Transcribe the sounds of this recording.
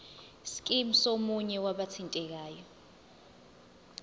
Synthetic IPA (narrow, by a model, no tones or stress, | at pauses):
sk̬ʼim̩somuɲɛwaɓat͡sʰintʼɛk̬aːjɔ